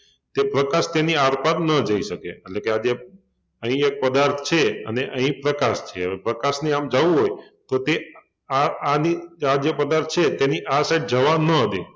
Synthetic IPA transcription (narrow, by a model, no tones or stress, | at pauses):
t̪epɾəkaʃt̪eniaɾpat̪nəd͡ʒəiʃəkeːʈlekead͡ʒe | əɦĩek̚pəd̪aɾt̪ʰt͡ʃʰeə̰neʔəɦĩpɾəkaʃt͡ʃʰḛepɾəkaʃneamd͡ʒaʋũɦojt̪ot̪e | aaniad͡ʒepəd̪aɾt̪ʰt͡ʃʰet̪eniʔasaiɖ̚d͡ʒəʋanəɦət̪e